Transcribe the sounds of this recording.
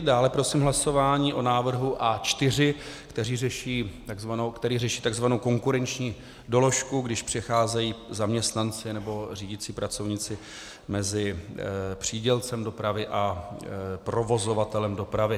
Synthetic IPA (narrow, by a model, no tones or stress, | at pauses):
daːlɛpɾo̞siːmɦlaso̞vaːɲiːʔo̞naːvr̩ɦuʔat͡ʃt̪ɪrɪkt̪ɛriːrɛʃiːt̪aɡzvanokt̪ɛɾiːrɛʃiːt̪aɡzvanowko̞ŋkuɾɛnt͡ʃɲiː | do̞lo̞ʃkuɡdɪʃpr̝̥ɛxaːzɛjiːzamɲɛst̪nant͡sɪnɛbo̞riːɟɪt͡siːpɾat͡so̞vɲɪt͡sɪ | mɛzɪ | pr̝̥iːɟɛlt͡sɛmdo̞pɾavɪʔa | pɾo̞vo̞zo̞vat̪ɛlɛmdo̞pɾavɪ